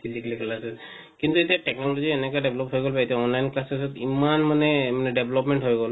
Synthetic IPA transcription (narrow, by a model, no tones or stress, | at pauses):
bizikliklasɛs | kint̪uetiatɛk̚nɔlɔziɛnɛkadeblɔphojɡolpaɛtiaɔnlajnklasɛsɔtimanmanɛmanɛɖeblɔpmɛɳʈɦojɡɔl